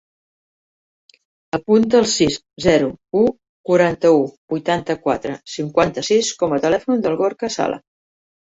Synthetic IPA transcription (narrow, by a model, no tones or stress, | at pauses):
əpunt̪əːlˠsis | zɛɾuu | kuɾant̪əubujt̪ant̪əkwat̪ɾəsiŋkwant̪əsiskɔmət̪əlɛfund̪əlˠɣoɾkəsa̰lə̰